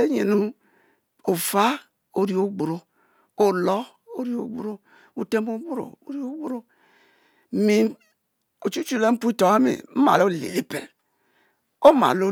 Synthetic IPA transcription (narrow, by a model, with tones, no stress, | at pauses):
e˦ɲe˨nu˦ | o˨fa˦ | o˨ɾi˦o˦ɡ͡bu˨ɾo˨ | o˨lɔ˦ | o˦ɾi˦o̰˨ɡ͡bu˦ɾo˦ | u˨te˦mo˦ɡ͡bu˦ɾo̰˨o˦ɾi˦o˦ɡ͡bu˦ɾo˦˨ | mi˨ | o˨t͡ʃu˦t͡ʃu˦˨le˦m̩˦pu˦i˦to˨a˦mḭ˨m̩˦ma̰˨lo˦˨lḛ˨le˦pḛ˨l | o˦ma̰˨lo˦